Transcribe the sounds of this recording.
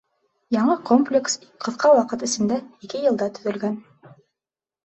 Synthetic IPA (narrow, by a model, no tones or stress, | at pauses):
jɑɴɤkomplʲɪksqʰɤ̆θqɑwɑqɤt̪ɘ̆sɘ̆md̪æikɘjɤ̆lˠd̪ɑt̪ɵ̥̆ðɵ̆lɡæn